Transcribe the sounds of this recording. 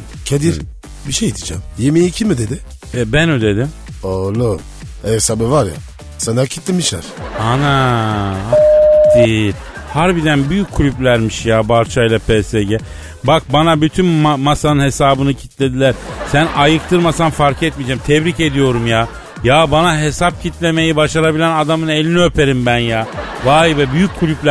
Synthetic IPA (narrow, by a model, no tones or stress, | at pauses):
cʰed̪iɾ | biʃejd̪id͡ʒamjemijiːcʰimid̪ed̪ɪ | ɛbænod̪e̞d̪im | olˠu | eɛsabivaɾja̰ | sanacʰit̪lːimiʃlæ̰ɾ̥ana | at̪i | hæɾbiɾd̪ænbyjycʰːulʲyplʲæɾmiʃjaːbaɾt͡ʃʰajlˠapʰeːseɟɛ | bak̚banabyt̪ʰynmamasanɯnhe̞saːbɯnɯcʰit̪lʲe̞d̪ilʲæɾ̥sænajɯk̚t̪ʰɯɾmasanfaɾkʰɛt̪̚mid͡ʒɛmt̪ʰɛβɾice̞d̪ijo̞ɾumjaː | jaːbanaɦe̞sap̚cʰit̪lʲe̞me̞jibaʃaɾabilʲænad̪amɯne̞lʲiniø̞peɾimbænjaːvaːibɛbyjycʰːulʲyplʲæ